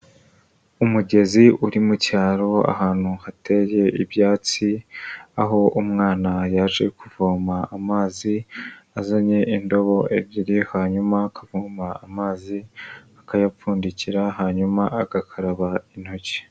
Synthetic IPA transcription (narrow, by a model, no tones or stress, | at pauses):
umuɟe̞ziʔuɾimucaːɾo̞a̰haːn̥huhate̞je̞ʔibjaːt͡siaɦo̞umŋaːnajaʒe̞kuvuːmaːmaːziazaɲe̞ʔindo̞βo̞ebɟiɾihaːɲumakʰavuːmaːmaːziakajap͡fuːndiciɾaɦaːɲumaaɡakʰaɾaβain̥hoce̥